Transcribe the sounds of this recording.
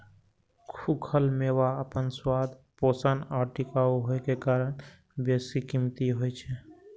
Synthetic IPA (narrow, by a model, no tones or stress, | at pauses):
kʰukʰəlmewaəpənswad̪ʱposənɔːɾʈikauɦoekekaɾəñ | bjesikimt̪iɦot͡ʃʰɛ